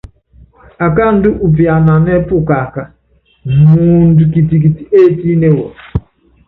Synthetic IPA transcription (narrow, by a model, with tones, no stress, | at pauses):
a˨ka˦n̩˦dɪ˦ʔu˨p̬i˨a˨na˨n˦e˦pʊ˦˨ka˨ka˦ | mu˦n̩˦du˨ki˨ti˨k̬i˨ti˦e˦˨ti˦ne˦wo˨